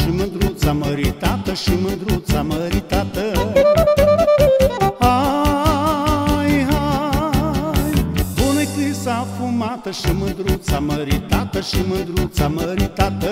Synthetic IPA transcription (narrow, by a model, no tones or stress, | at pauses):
ʃimɐnd̪ɾut͡saməɾit̪at̪əʃimənd̪ɾut͡saməɾit̪at̪ə | a | jɦa | jbonɐjkɨsafumat̪ɐʃimənd̪ɾut͡saməɾit̪at̪əʃimɐnd̪ɾut͡saməɾit̪at̪ə